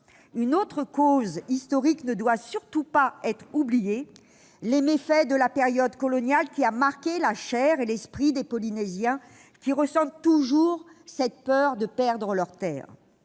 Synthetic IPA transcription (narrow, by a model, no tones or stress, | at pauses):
ynot̪χəkozist̪ɔʁiknəd̪wasyʁt̪upaɛt̪χublije | lemefɛd̪əlapeʁjɔd̪kɔlɔnjalkʲiamaʁkʲelaʃɛʁelɛspχid̪epɔlinezjɛ̃ | kʲiʁəsɑ̃t̪t̪ːuʒuʁsɛt̪̚pœʁd̪əpɛʁd̪ʁəlœʁt̪ɛ̰ːʁ